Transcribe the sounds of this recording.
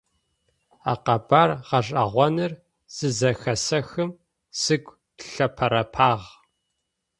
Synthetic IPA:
aːqɐbaːrʁɐʂ̬ʼaʁʷɔnɨr | z̥ɨzɐxɐsɐxɨm | sɨɡʷʼ | tʰɬɐpʰɐɾɐpʰaːʁ

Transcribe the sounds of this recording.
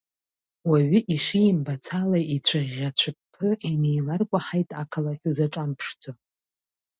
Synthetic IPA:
waɥiʔiʂijɪmbat͡sʰalaʔit͡ɕʷʰaʁʲat͡ɕʷʰɨpʰːɨinejlarkʷʼaħajtʼakʰalaχʲuzaʈ͡ʂʼampʰʂd͡zʼo

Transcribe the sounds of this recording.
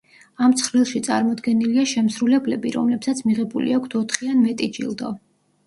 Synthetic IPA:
amt̪sʰχɾilˠʃit̪sʼaɾmɔd̪ɡɛniliaʃɛmsɾulɛblɛbiɾɔ̰mlɛpsat̪sʰmiʁɛbulḭakʷʰt̪ʰɔt̪ʰχianmɛt̪ʼid͡ʒḭlˠd̪ɔ̰

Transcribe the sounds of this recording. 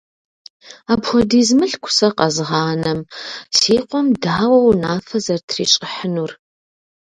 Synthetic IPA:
aːbxʷɔdiːzmɨɬkʷʰʊ̥sɐqɐzʁɑːnɐmsiːqʷʼɔmdaːwɐwnaːfɐzɐrtʰriːt͡ʃʼɪħənur

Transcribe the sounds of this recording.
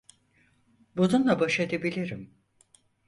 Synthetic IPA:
bununlˠabaʃed̪ebilʲiɾim

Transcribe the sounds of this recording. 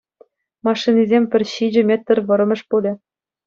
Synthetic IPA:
mɑʂːinʲizʲemʲpʲɘ̆rʲɕid͡ʑɘ̆mʲet̪ːɘ̆rʲʋɤ̆ɾɤ̆mʲɤ̆ʂpulʲĕ

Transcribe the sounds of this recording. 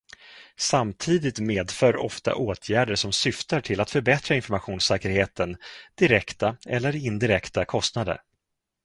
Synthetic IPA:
samt̪ʰiːd̪ɪt̪meːd̪fœːɾɔ̰ft̪a̰ʔoːt̪ʰjæːɖəʂɔmsʏft̪əʈʰɪlːat̪fœɾbɛt̪ɾaɪnfɔɾmaɧuːnsɛːkəɾheːt̪ʰənd̪̥ɪɾɛkt̪aɛlːəɾɪnd̪ɪɾɛkt̪akʰɔst̪nad̪ə̰ɾ

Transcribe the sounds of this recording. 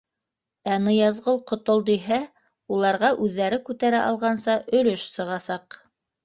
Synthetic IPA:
ænɤjɑzʁɤlˠqŏt̪olˠd̪iɦæ | ulˠɑɾʁɑʔʉðːæɾɘkʉt̪æɾæʔɑlˠʁɑnsɑʔɵ̆lɵʃsɤ̆ʁɑsɑq

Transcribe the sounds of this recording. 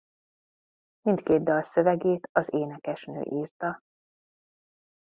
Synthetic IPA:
mint̪keːd̪̚d̪ɒlsø̞vɛɡeːt̪ɒzeːnɛkɛʃnø̰ːʔiːrt̪ɒ

